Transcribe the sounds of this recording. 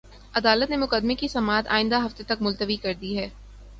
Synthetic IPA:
ɐd̪aːlət̪nemʊqəd̪mekisɐmaːt̪a̰ːɪ̃nd̪aɦɐft̪et̪ɐkmʊlt̪əʋikɐɾd̪iɦɛː

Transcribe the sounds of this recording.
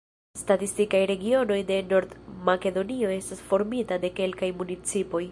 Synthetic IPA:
statistikajɾe̞ɡio̞no̞jde̞no̞ɾd̪make̞do̞nio̞e̞stasfo̞ɾmitade̞ke̞lkajmunit͡sipo̞j

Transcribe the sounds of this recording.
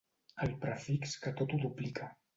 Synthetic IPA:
əlpɾafikskət̪ot̪uduplikʰa

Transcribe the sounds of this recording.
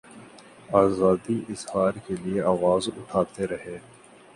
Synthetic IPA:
aːzaːd̪iʔɪzhaːɾkelieaːʋaːzʊʈʰaːt̪eɾɐɦeː

